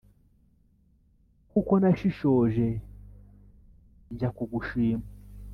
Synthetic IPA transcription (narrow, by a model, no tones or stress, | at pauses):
kukɔnaʃiʃɔʒɛ | nd͡ʒakuɡuʃiːmu